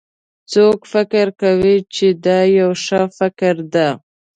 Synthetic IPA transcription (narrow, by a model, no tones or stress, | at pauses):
t͡sokfɪkɪɾkawit͡ʃed̪ɑjawʃəfɪkɾd̪a